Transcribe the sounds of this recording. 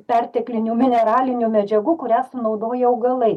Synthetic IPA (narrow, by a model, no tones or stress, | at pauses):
pʲɛrʲt̪ʲɛklʲɪnʲuːmʲɪnʲɛɾɑːlʲɪnʲuːmʲɛd͡ʒʲɛɡuːkʊɾʲæːsʊnɐʊd̪oːjɛɐʊɡɐlˠɐɪ